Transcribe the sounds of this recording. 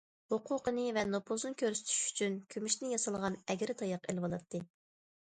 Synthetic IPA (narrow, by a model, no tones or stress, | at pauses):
hoqʰʊqʰənɨvɛnopʰulˠzɨnɨkʲøɾsy̥t̪ʰy̥ʃy̥t͡ʃʰynkʲʰymyʃnɪjɑsɑlˠʁɑnɛɡʲɾɪt̪ʰɑjɑqelwɑlˠɑt̪ʰːɨ